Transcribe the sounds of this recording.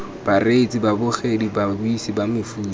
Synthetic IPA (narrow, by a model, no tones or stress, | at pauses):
b̥aret͡sʼibabʊχedibabʊisibamɪfuː